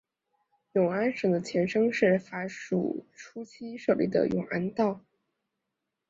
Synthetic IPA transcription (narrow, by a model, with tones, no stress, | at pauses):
jʊ˨˩ŋa˥nʂɤ˨˩ŋd̪ə˦t͡ɕʰjɛ˧˥nʂɤ˥ŋʂɻ̩˥˩fa˧˥ʂṵ˨˩ʈ͡ʂʰu˥t͡ɕʰi˥ʂɤ˥˩lḭ˧˥˩d̪ə̰˨˩jʊ̰˨˩ŋʔa˥nt̪ɑ˥˩ʊ